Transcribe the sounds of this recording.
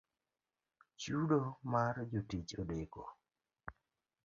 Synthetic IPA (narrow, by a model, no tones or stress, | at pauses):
t͡ʃudomard͡ʒotit͡ʃodeko̰